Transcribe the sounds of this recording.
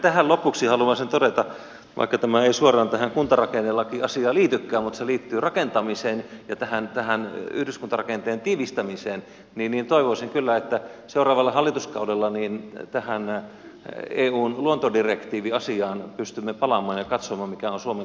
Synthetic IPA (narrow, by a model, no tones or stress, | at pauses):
t̪æhælopuksihɑlumɑsent̪odet̪ɑ | ʋɑ̰ikːɑt̪æmæeisuorˑɑːnt̪æhæŋkunt̪ɑrɑkenːelːɑkiɑsiɑːliːt̪ykːæːmmut̪seliːt̪ːyːrɑkent̪ɑmiseːnjɑt̪æhænt̪æhænyhdyskunt̪ɑrɑkent̪eːnt̪iːʋist̪æmiseːn | niːnniːnt̪oiʋosiŋkylːæet̪ːæseurɑːʋɑlːɑhɑlːit̪uskɑudelːɑniːnt̪æhæn | eːuːnluont̪odirekt̪iːʋiɑsiɑːnpyst̪ymːepɑlɑmˑɑːnjɑkɑt̪somɑːmmikæonsuome